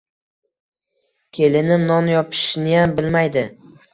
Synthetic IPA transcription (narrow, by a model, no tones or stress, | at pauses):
kʲʰe̞lɪnɪmnɒnjɒpʰɪ̥ʃnɪjambɪlmajd̪ɪ